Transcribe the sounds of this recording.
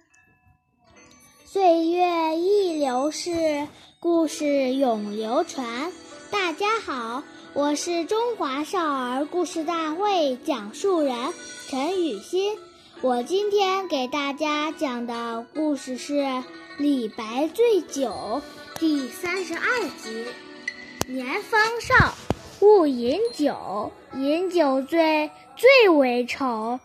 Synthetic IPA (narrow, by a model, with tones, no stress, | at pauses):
swe˥˧ɪɥɛ˥˧i˥˩ljo˧˥ʊʂɻ̩˥˧ku˥˧ʂɻ̩˥˩jʊ˨˩ŋljo˧˥ʊʈ͡ʂʰwa˧˥nt̪a˥˩t͡ɕja˥xɑ˨˩˦ʊ | wɔ˨˩ʂɻ̩˥˩ʈ͡ʂʊ˥ŋxwa˧˥ʂɑ˥˩ʊə˞˧˥ku˥˧ʂɻ̩˥˧t̪a˥˧xwe˥˩ɪt͡ɕjɑ˨˩ŋʂu˥˩ɻə˧˥nʈ͡ʂʰə˧˥ny˨˩ɕi˥n | wɔ˨˩t͡ɕi˥nt̪ʰjɛ˥nke˨˩ɪt̪a˥˩t͡ɕja˥t͡ɕjɑ˨˩ŋd̪ə˦ku˥˧ʂɻ̩˥˧ʂɻ̩˥˩ | li˨˩pa˧˥ɪt͡swe˥˩ɪt͡ɕjo˨˩˦ʊ | t̪i˥˩sa˥nʂɻ̩˧˥ʔɐ˥˩t͡ɕi˧˥ | njɛ˧˥nfɑ˥ŋʂɑ˥˩ʊ | u˥˩i˧˥nt͡ɕjo˨˩˦ʊ | i˧˥nt͡ɕjo˨˩ʊt͡swe˥˧ɪ | t͡swe˥˩ɪwe˧˥ɪʈ͡ʂʰo˧˥ʊ